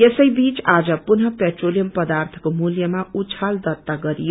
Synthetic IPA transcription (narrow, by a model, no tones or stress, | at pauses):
jesʌjbit͡sad͡zʌpunʌpeʈrolijʌmpʌd̪art̪ʰʌ̥komuljʌmaut͡sʰald̪ʌt̪ːaɡʌɾijo